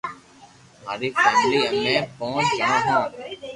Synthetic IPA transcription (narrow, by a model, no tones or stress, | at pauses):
maːɾiːfɛːmliːəmẽːpõːt͡ʃɡəɳãːɦãː